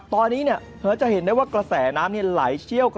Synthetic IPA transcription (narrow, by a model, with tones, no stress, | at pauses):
t̪ɔː˧nːiː˦˥ni˥˩ɐ | hɯ˨˦˥t͡ɕa˨he˩˦nduː˥˩˨waː˥˩kɾa˧sɛː˩˦naː˦˥mni˥˩ɐla̰ː˩˦jt͡ɕʰi˥˩əwk